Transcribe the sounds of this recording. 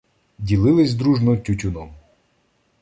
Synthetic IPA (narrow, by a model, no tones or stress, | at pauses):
dʲilˠɪlˠɪzʲd̪ɾuʒnɔwtʲʊtʲʊnɔm